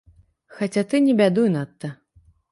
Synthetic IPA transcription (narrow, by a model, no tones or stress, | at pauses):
xat͡sʲat̪ɨnʲɛbʲad̪ujnat̪ːɐ